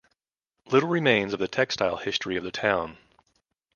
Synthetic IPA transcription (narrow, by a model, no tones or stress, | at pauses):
lɪɾl̩ˠɹɨmẽɪ̃nzʌvðɨtʰɛkstaɪlˠhɪstɹ̥iʌvðɨtʰãʊ̃n